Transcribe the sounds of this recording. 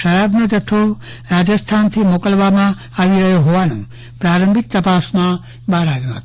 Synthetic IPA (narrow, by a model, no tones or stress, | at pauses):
ʃəɾabnod͡ʒət̪ʰo | ɾad͡ʒəst̪ʰant̪ʰimokəlʋamã | aʋiɾəɦjoɦoʋanṵ̃ | pɾaɾəmbʱik̚t̪əpasmã | baɾaʋjũɦət̪o